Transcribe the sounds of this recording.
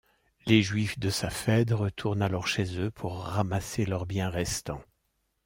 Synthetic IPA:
leʒɥifd̪əsafɛd̪ʁət̪ʰuʁnalɔʁʃezøpʰuʁːamaselœʁbjɛ̃ʁɛst̪ɑ̃

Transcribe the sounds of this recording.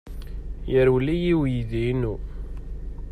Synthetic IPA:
jəɾwlːijiwjiðiinu

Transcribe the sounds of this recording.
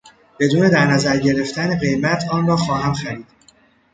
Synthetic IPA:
b̥e̞d̪uːne̞d̪æɾnæzæɾɟe̞ɾe̞ft̪æne̞ɣe̞jmæt̪ʰɒːnrɒːxɒːɦæmxæɾiːd̪̥

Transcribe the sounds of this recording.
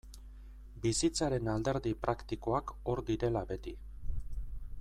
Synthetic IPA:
bisit͡saɾe̞nald̪e̞ɾðipɾakt̪iko̞ako̞ɾd̪iɾe̞labe̞t̪i

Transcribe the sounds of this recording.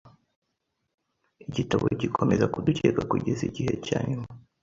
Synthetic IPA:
iɟitaβo̰ɟikʰo̞me̞zakuducekakuɟeziɟihe̞caːɲuma

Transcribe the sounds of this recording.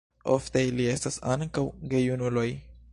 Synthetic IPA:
ʔoft̪ejlie̞st̪asaŋkawɡejunuloj

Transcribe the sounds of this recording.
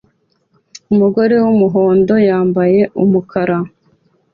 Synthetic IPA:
umuɡo̞ɾe̞wumuɦo̞ːndo̞jaːmbaje̞ʔumukʰaɾa

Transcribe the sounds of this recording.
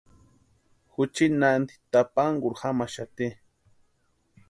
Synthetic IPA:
xut͡ʃinand̪i̥t̪apaŋɡuɾxamaʃat̪i

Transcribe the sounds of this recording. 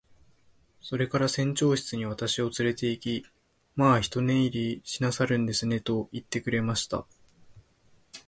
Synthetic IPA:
so̞ɾe̞kaɾasẽ̞ɲ̟t͡ɕo̞ːɕi̥t͡sɨɲ̟iβ̞at̪aɕio̞t͡sɨɾe̞t̪e̞ikʲi | maːçi̥t̪o̞nẽ̞iɾʲiɕinasaɾɯ̟̃nd̪e̞sɨne̞t̪o̞it̪ːe̞kɯ̟ɾe̞maɕi̥t̪a̰

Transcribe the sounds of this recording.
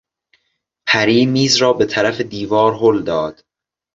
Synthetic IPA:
pʰæɾiːmiːzɾɒːbe̞t̪ʰæɾæfe̞d̪iːvɒːɾɦold̪ɒːd̪̥

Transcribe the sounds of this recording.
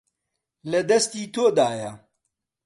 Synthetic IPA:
lɐd̪ɐst̪iːt̪ʰoːd̪aːjɐ

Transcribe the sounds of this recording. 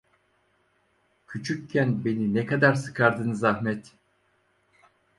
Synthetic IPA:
cʰyt͡ʃʰycʰːænbe̞ninɛkad̪aɾsɯ̥kʰaɾd̪ɯnɯzahmɛt̪

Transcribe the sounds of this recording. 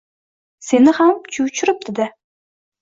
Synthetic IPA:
se̞nɪhamt͡ʃʰʊwt͡ʃʰʊɾɪp̚d̪ɪd̪ɪ

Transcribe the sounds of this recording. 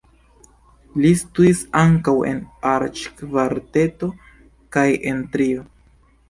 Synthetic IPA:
listuisaŋkawe̞̰naɾt͡ʃkvaɾte̞to̞ | kajʔe̞ntɾio

